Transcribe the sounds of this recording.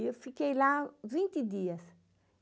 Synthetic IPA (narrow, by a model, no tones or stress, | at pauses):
ewfikejlavĩnt̪ɪd̪iɐs